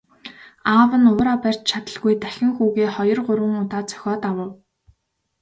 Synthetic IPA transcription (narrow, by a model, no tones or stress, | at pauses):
aːwə̆nʊːɾapær̥ʲt͡ɕt͡ɕʰat̪ə̆ɮɣujt̪æxʲɪ̆ŋxuːɣeːχɔjɞ̆rɢʊɾwə̆ŋʊt̪aːt͡sœ̥xʲɔːt̪awə̆w